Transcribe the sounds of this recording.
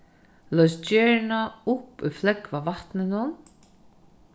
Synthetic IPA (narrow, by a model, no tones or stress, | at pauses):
lœɥsd͡ʒɛːɹnaʊpṵjflɛkvavaht̪nɪnʊn